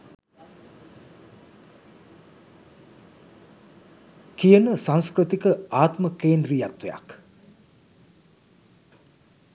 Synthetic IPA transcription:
kijənəsanskɾət̪ikəaːt̪məkeːnd̪riːjat̪ʋeja̰k

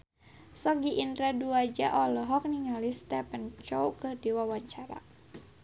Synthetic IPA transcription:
sɔɡiʔindɾaduad͡ʒa̰ʔɔlɔɦɔk̚niŋalist̪ɛpənt͡ʃɔwkɨrdiwawaɲt͡ʃaɾa̰

